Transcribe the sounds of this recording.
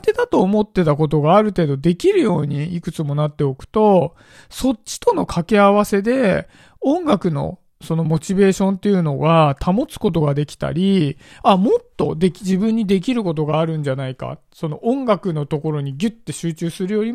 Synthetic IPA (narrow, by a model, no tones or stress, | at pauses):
t̪e̞d̪at̪o̞ːmo̞t̪ːe̞t̪ako̞t̪̬o̞ɡaːɾɯ̟t̪e̞ːd̪o̞d̪e̞kʲiɾɯ̟jo̞ːɲ̟iːkɯ̟t͡sɨmo̞nat̪ːe̞o̞kɯ̟̥t̪o̞ | so̞t͡ɕɕːi̥t̪o̞no̞kʰake̞aβ̞ase̞d̪e̞ | õ̞ŋɡakɯ̟no̞̰ | so̞no̞mo̞t͡ɕibe̞ːɕõ̞nt̪ːe̞jɯ̟no̞ɡat̪ʰamo̞t͡sɨ̥ko̞t̪o̞ɡad̪e̞kʲi̥t̪a̰ɾʲiamo̞t̪ːo̞̰d̪e̞kʲd͡ʑibɯ̟̃ɲ̟ːid̪e̞k̬ʲiɾɯ̟ko̞t̪̬o̞ɡaːɾɯ̟̃ɲ̟d͡ʑanaika̰ | so̞no̞ʔõ̞ŋɡakɯ̟no̞t̪o̞ko̞ɾo̞ɲ̟iɡʲɯ̟t̪ːe̞ɕɨːt͡ɕɨːsɨɾɯ̟jo̞ɾʲi